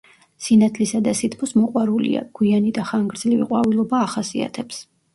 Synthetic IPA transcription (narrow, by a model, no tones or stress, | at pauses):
sinat̪ʰlisad̪asit̪̚ʰpʰɔsmɔqʼwaɾulḭa̰ɡ̥wianid̪aχaŋɡɾd̪zlivḭqʼwavilˠɔbaːχasia̰t̪ʰɛps